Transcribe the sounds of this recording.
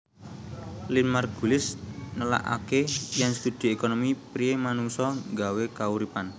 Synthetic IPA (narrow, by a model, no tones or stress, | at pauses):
linmarɡ̥ṳlɪsnəla̰ʔa̰kejaŋst̪ud̪̥i̤ekonomipɾiemanuŋsɔŋɡawekauɾipan